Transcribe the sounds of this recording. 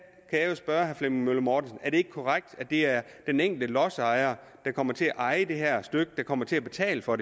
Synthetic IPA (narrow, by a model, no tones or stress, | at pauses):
kʰæjɑ̈josb̥ɶɐhæflemmøləmɒːd̥n̩sn̩æɐɾ̥e̝e̝ɡ̥əkʰɒʁaɡ̥̚d̥æd̥e̝æɐ | d̥eneŋ̰ɡ̥l̩d̥əlɒ̽sɑ̈ɪɐ | d̥ɑ̈kʰɒ̽m̰ɐt͡sʰe̝æʔɑ̈ɪəd̥e̝ɦæɐ̰sd̥øɡ̥əd̥ɑ̈kʰɒ̽m̰ɐt͡sʰe̝æb̥e̝t͡sʰɛ̰ːləfɒ̽de